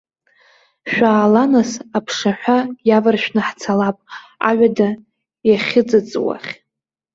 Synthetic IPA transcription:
ʃᶣʷaːlanasapʰʂaħᶣʷajavarʃᶣnɨħt͡sʰalapʼa̰ɥʷᶣada | jaχʲɪd͡zɨt͡sʼwa̰χʲ

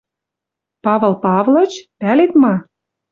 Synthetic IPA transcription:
pɑvɤ̆lˠpɑvlɤ̆t͡ɕpælet̪mɑ

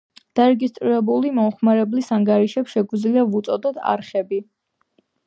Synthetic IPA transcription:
d̪̥aɾɛɡist̪ʼɾiɾɛbulimɔχmaɾɛblisaŋɡaɾiʃɛpsʃɛɡid̪zliavut̪sʼɔd̪ɔt̪ʰa̰ɾχɛbi

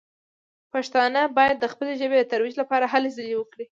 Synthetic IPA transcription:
paʃt̪ɑnəbɑjad̪ːəxpəleʒəbed̪ət̪aɾwid͡ʒlapɑɾaɦalezalewəkɽi

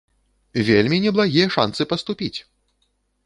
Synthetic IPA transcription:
vʲelʲmʲinʲɛblˠaɣʲijɐʂa̰nsɨpɐst̪upʲit͡sʲ

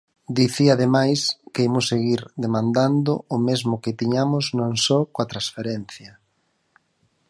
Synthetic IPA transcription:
d̪iθiaðemajskeemʊsːeɣiɾðemãnd̪and̪ʊːmezmʊkɪt̪iɲamʊznõnsɔkoat̪ɾasfeɾɛnθjɐ

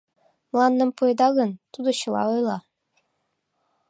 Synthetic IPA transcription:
mlˠɑnːɤ̆mpujd̪ɑɣɤ̆nt̪ud̪oɕɤ̆lˠɑ̰ojlˠɑ

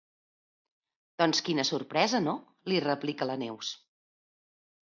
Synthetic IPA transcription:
d̪̥ɔnskinəsurpɾɛzəno | lirəplikələnews

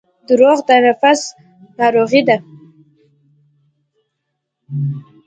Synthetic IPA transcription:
d̪ʊɾoɣd̪anafas | nɑɾoɣid̪a

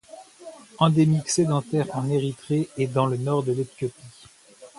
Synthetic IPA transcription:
ɑ̃d̪emiksed̪ɑ̃t̪ɛʁɑ̃neʁit̪χeɛd̪ɑ̃lənɔʁd̪əlet̪jɔpi

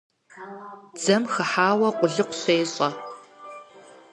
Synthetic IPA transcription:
d͡zɐmxɨħaːwɐqʷʼʊɮɨqʷʊ̥ɕeːɕʼɐ

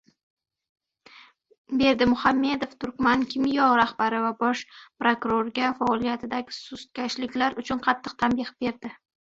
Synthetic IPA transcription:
be̞ɾd̪ɪmʊhamːe̞d̪oft̪ʰʊɾkʲmankʲʰɪmjɒʁɾahbaɾɪvabɒʃpɾokʊɾoɾɡʲafaɒlˠijat̪ʰɪd̪aɡʲɪsʊst̪̚kʲaʃlɪkʲlaɾʊt͡ʃʰʊnqʰɑt̪ʰːɨqt̪ʰambɪχbe̞ɾd̪ɪ

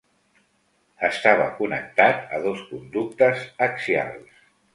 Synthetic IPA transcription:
əst̪aβ̞əkunək̚t̪at̪əðoskund̪uk̚t̪əzəksia̰lˠs

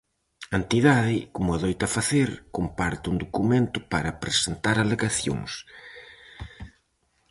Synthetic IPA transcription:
ent̪iðaðɪkomʊaðojt̪ɐfaθeɾkompaɾt̪ɪund̪okumẽnt̪ʊpaɾɐpɾesent̪aɾaleɣaθjo̰ŋs

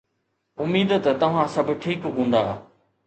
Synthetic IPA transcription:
ʊmiːd̪t̪ɐt̪ɐʋ̤ãsɐbʱʈʰiːkɦũːn̆d̪aː

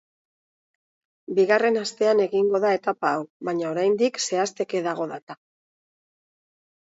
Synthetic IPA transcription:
biɣare̞nast̪e̞ane̞ɣiŋɡo̞ðae̞t̪apaːwβaɲaoɾajnd̪ikse̞ast̪e̞ke̞ðaɣ̞o̞ðat̪a

